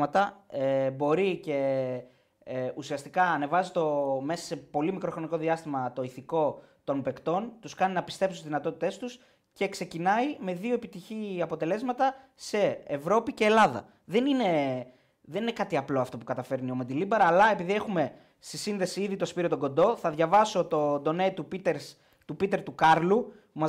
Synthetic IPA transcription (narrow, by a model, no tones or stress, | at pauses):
mɐt̪ɐebo̞ɾice̞ | usiɐst̪ikɐːne̞vɐzit̪o̞me̞sɐ̥se̞po̞limikɾo̞xɾo̞niko̞ðiɐst̪imɐt̪o̞iθiko̞t̪o̞mbe̞kt̪o̞nt̪uskɐninɐpi̥st̪e̞psuszðinɐt̪o̞t̪i̥t̪e̞st̪us | ce̞kse̞cinɐime̞ðio̞epit̪içiɐpo̞t̪e̞le̞zmɐt̪ɐse̞ːvɾo̞pice̞ːlɐðɐ̰ | ðe̞nine̞ | ðenine̞kɐt̪iɐplo̞ɐft̪o̞pukɐt̪ɐfe̞ɾnio̞med̪ilibɐɾɐːlɐe̞piðie̞xume̞ | st̪isinðe̞siiðit̪o̞spiɾio̞t̪oɡo̞nd̪o̞θɐðʝɐvɐso̞t̪o̞nd̪o̞net̪upit̪eɾs | t̪upit̪e̞ɾt̪ukɐɾlupumɐz